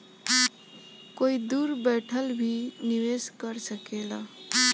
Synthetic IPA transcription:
koid̪uɾbɛʈʰəlbʱiniweskəɾsəkela

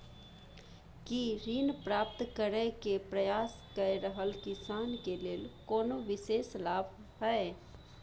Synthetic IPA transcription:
kiɾiːnpɾaːp̚t̪kəɾəkepɾəjaːs | kəeɾəɦəlkɪsaːnkeleːlkoːnoʋɪseːslaːbʱ | ɦɛː

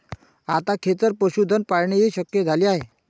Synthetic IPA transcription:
at̪akʰet̪əɾpəɕud̪ʱənpaɽɳeɦiɕəkjed͡zʱaliːaɦe

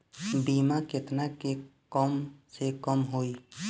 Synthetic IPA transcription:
bimaket̪nakekəmsekəmɦoi

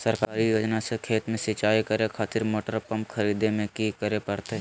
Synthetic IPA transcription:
sɐɾkaːɾijoːd͡ʒnasekʰeːt̪mẽsɪt͡ʃaːikɐɾekʰaːt̪ɪɾmoːʈəɾpɐmpkʰɐɾiːd̪emẽkikəɾepɐɾt̪eɦ

